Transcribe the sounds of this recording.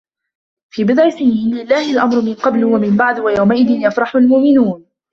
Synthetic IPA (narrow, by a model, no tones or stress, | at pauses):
fiːbɪd̪ˤʕɪsɪjiːnlɪlːaːhɪlʔamɾʊmɪnqɑblwamɪmbaʕd̪wajawmaʔɪðɪnjafɾˤɑħʊlmʊʔmɪnuːn